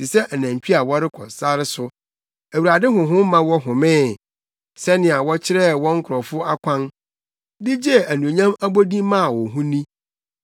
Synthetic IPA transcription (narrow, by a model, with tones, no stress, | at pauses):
si˨sɛ˦ʔæ˨nã˨t͡ɕᶣi˦a˨wɔ˦ɾɪ˦kʰɔ̰˨sa˦ɾɪ˦sʊ˨ | æ˨wu˨ɾa˨dɪ˦ɦʊ̃˨ɦʊ̃˦mã˨wɔ˦ɦʊ̃˨mɪ̃ː˦˨ | sɛ˦nɪ̃˨a˨wɔ˦t͡ɕʰɪ˦ɾɛ˦wɔ̃˦ŋ̩˦kʰʊ˨ɾɔ˨fʊ˦a˦kʷʰã˦n | dɪ˦d͡ʑɛ˦æ˨nũ˨ɲã˦mæ˦bo˦dĩ˦mã˦a˨wɔ˨ɦũ˦nĩ˦